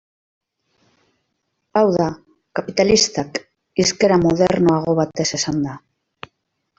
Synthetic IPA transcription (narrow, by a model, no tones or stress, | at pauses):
awða | kapit̪alist̪ak | iske̞ɾamoðeɾnoaɣ̞o̞βat̪e̞se̞sand̪a